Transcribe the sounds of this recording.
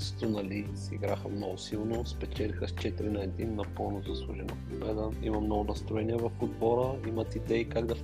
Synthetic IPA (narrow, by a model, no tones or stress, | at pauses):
st̪ʊnɐlisḭɡɾaxəmnɔɡʊsilˠnospɛt͡ʃɛlʲixəst͡ʃɛt̪iɾinaɛd̪innɐpɤlˠnozɐslˠuʒɛnopobɛd̪əmḭmɐmnɔɡʊnɐst̪ɾʊɛniəvɐɾxʊd̪vɔɾəimɐt̪id̪ɛikaɡd̪ɐ